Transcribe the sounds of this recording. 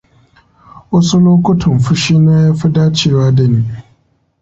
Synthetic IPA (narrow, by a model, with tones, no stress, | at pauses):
wɐ˦su˦loː˦kʷʊ˦tʰɐ˨mɸʊ˦ʃiː˦naː˦ja˦ɸi˦daː˦t͡ʃeː˦˨waː˦dɐ˨niː˦